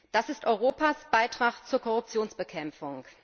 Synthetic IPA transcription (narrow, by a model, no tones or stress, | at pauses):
d̥asɪstʔɔʏʁoːpasb̥aɪtʁ̥aχt͡suːɐkʰɔʁʊp̚t͡sjoːnsb̥əkʰɛmfʊŋ